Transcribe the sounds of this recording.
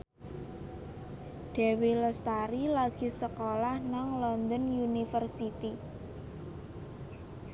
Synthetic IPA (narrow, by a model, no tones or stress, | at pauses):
ɖ̥ɛ̤weləst̪aɾilaɡ̥i̤səkolahnaŋlɔnd̪ənjunifərsit̪i